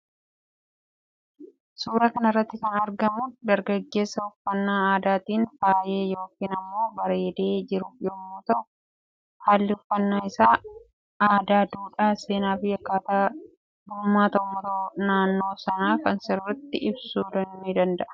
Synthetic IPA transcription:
suːɾakɐnɪrːɐt̪ːɪkɐnɐɾɡɐmʊd̪ɐɾɡɐɡːe̞ːsɐʊfːɐnːaːaːd̪aːt̪iːnfaːje̞ːjo̞ːkiːnɐmːo̞ːbɐɾe̞ːd̪e̞ːd͡ʒɪɾʊfjɔmːuːt̪ɐʔʊʊ | haːlːɪʊfːɐnːaːɪsaː | aːd̪aːd̪uːᶑaːse̞ːnaːbɪjːɐkːaːt̪aː | bʊːmːaːt̪ɐʊmɔɾoːnaːnːo̞ːsɐnaːkɐnsɪɾrɐt̪ːɪɪbsuːd̪ɐnnid̪ɐnd̪ɐʔɐ̥

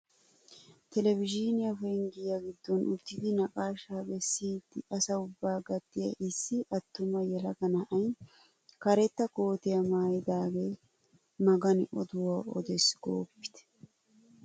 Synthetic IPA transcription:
t̪ɛlɛvɪd͡ʒinɪjɐfɛŋɡɪjaɡɪd̪ːɔnʔʊt̪ːɪd̪ɪnɐkʼaːʃaːbɛsːiːd̪ːɪɐsɐʊbːaːɡɐt̪ːɪjɐ̰ʔɪsːɪʔɐt̪ːʊmɐjɛlɐɡɐnɐʔɐjn | kɐɾɛt̪ːɐko̞ːt̪ɪjɐmaːjɪd̪aːɡe | mɐɡɐnʔɔd̪ʊwaɔ̰d̪ɛsɡ̥o̰ːpːɪ̥t̪ɛ̥

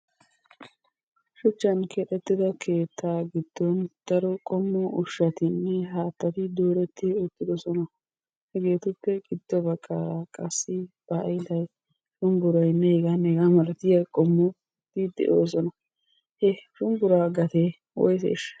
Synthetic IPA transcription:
ʃʊt͡ʃːɐnkʰeːt̪ʼɛt̪ːɪd̪ɐkʰe̞ːt̪ːaːɡɪd̪̥ːɔnd̪̥ɐɾɔkʼɔmːɔʔʊʃːɐt̪ɪnːɛɦaːt̪ːɐt̪ɪd̪o̞ːɾɛt̪ːɪɔt̪ːɪd̪ɔsɔnɐ | hɛɡe̞ːt̪ʊpːɛɡʼɪd̪̥ːɔbɐkʼːaːɾakʼɐsːɪb̥ɐʔɐjd̪ɐj | ʃʊnbʊɾɐjnːɛhɛɡɐnɛɡamɐɾɐt̪ɪjɐkʼɔmːɔ | d̪id̪ɛ̰ʔo̰ːs̬ɔnɐ | hɛʃʊnbʊɾaːɡɐt̪eː | wɔ̰jsɛ̰ɪʃɐ̥

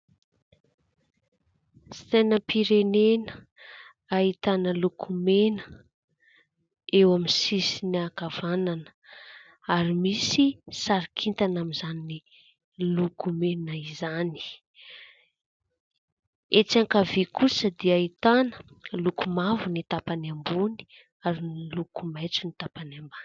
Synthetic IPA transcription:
si̥t̪enəpiɾenenə | ait̪anəlukʰumenə̥ | ewaminsisiniakavananə̥ | aɾimisisaɾikʰint̪anamizanini | lukumenaizani̥ | et͡saŋkavekusəd̪iait̪anə̥ | lukumavunit̪apanambuni̥ | aɾinilukumajt͡sunit̪apanamban

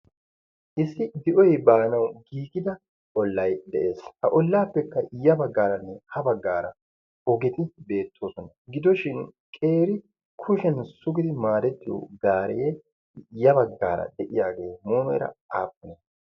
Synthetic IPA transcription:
ʔɪsːɪd̪ɪʔɔjbaːnɐwɡiːɡɪd̪ɐ | ʔɔlːɐjd̪ɛʔe̞ːshɐʔɔlːaːpːɛkːɐɪjːɐbɐɡːaːɾɐnːɛhɐbɐɡːaːɾɐ | ɔɡɛt̪ɪbe̞ːt̪ʰːoːsɔnɐɡɪd̪ɔʃɪn | kʼe̞ːɾɪ | kʰʊʃɛnsʊɡɪd̪ɪmaːɾɛt̪ːɪjo̰ɡaːɾɛjɛ | jːɐbɐɡːaːɾɐ̰d̪ɛʔɪjaːɡe̞ːmoːmɛ̰ɾɐ̰aːpːɔne

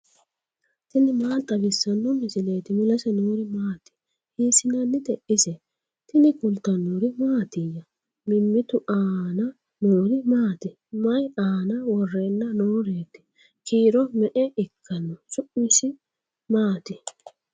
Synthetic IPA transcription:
t̪ɪnɪmaːlt̪ʼːɐɡɪsːɐnːɔmɪsɪleːt̪ɪmʊlɐsɛnoːɾɪmaːt̪ɪ̥ | hiːsɪnɐnːɪd̪ɛʔɪsɛ | t̪ɪnɪkʊlt̪ɐnːɔɾɪmaːt̪ɪjɐ | mɪmːɪt̪ʊʔaːnɐ | noːɾɪmaːt̪ɪ | mɐjaːnɐwɔrːenːɐnoːɾeːt̪ɪ̥ | kiːɾɔmɛʔɛɪkʰːɐnːɔsʊʔɪsɪ | maːt̪ɪ

